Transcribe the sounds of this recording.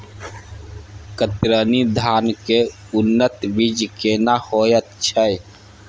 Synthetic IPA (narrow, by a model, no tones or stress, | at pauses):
kət̪ɾənid̪ʱaːnke | ʊnːət̪bid͡ʒkenahojət̪t͡ʃʰəj